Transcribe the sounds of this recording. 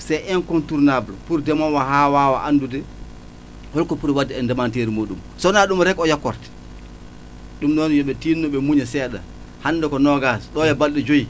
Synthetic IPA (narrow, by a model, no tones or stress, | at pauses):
sɛjʔɛnkɔntuɾnablɔ̰puɾdɛmɔnwahaːwaːwaʔandudɛ | wɔlkɔpuɾwadːɛɛndɛmanteɾimoːɗumsɔnaɗumɾɛkɔjakːɔ̰ɾtɛ̥ | ɗumnɔnjɔɓɛtiːnːɔɓɛmuɲɛsɛːɗa̰ | hanːdɛkɔnɔɡasɗɔjɛbalɗɛd͡ʒoji